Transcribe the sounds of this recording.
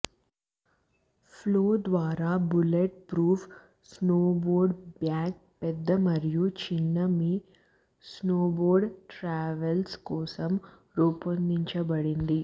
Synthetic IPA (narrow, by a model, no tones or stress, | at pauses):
pʰloːd̪ʋaːɾaːbuleʈ̚pɾuːpʰ | snoːboːɾɖbjaːk̚pɛd̪ːɐmɐɾijut͡ʃinːɐmi | snoːboːɾɖʈɾaːʋɐlskɔːsɐm | ɾuːpɐnd̪iɲt͡ʃɐbɐɽind̪i